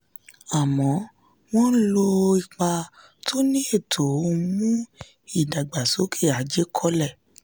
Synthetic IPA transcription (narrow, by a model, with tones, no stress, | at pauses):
a˨mɔ̃˨˦ | w̃ɔ̃˦n̩˦lo˧i˨k͡pa˧ | tʰo˦nĩ˦e˦˨tʰo˨o˧mũ˦ | i˦˨da˨ɡ͡ba˨so˨˦kʰe˦˨a˨˦d͡ʒe˦kʰɔ˦lɛ˦˨